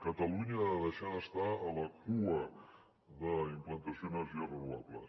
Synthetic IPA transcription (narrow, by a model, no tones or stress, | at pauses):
kət̪əluɲiəðəʃaəst̪aələkuə | ðəimplənt̪əsionəziərənuβabləs